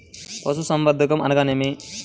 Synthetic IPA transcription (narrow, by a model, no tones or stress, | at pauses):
po̰s̬usɐmʋɐd̪ʱɐkɐmɐ̰nɐɡaːnemi